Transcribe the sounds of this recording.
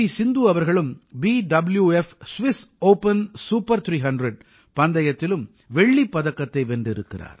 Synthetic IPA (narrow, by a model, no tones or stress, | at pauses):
isɪnd̪uːɐʋɐɾɣɐɭɯmbiːɖɐbɪljuɛfsʋɪsoːpɐnsuːpːɐɾt̪ʰɾiːɦɐɳɖɾɐɖ̚ | pɐnd̪ɐjɐt̪ːɪlɯm | ʋɛɭːipːɐðɐkːɐt̪ːɐɪʋɛndɪɾɯkːɪra̰ːɾ